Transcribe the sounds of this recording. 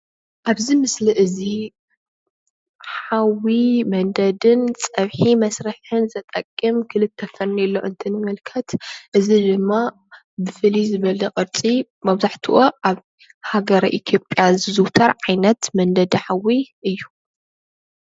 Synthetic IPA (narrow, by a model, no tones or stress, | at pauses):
ʔaβzimɨsliʔɨzi | ħawimɐnd̪ɐd̪ɨnt͡sʼɐβħimɐsɾɨħɨnzɐt̪ʼɐkʼːɨmkʰɨlɨt̪ʰːɐfɐnnilːo̰ʔɨ̰nt̪ʰɨnɨmɨlkʰɐt̪ʔɨzid̪ɨmːa | bɨfɨlizɨβɐlɐkʼɨɾt͡sʼi | mɐβzaħt̪ʰuʔoʔaβ | haɡɐɾɐʔit̪ʰjopʼjazɨzɨwt̪ʰɐɾʕajnɐt̪mɐnd̪ɐd̪iħawiʔɨjːu